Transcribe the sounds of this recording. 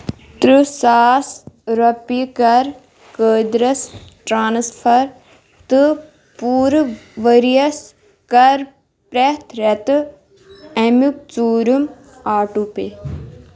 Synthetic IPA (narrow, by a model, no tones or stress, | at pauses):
t̪ɾɨsaːsɾopikɐɾ | kəːd̪ɾɐsʈɾaːnsfʰɐɾ | t̪ɨ | puːɾʋəɾijɐs | kɐɾ | pɾɛt̪ʰɾɛt̪ɨ | ɛmuk̚t͡suːɾum | aːʈupe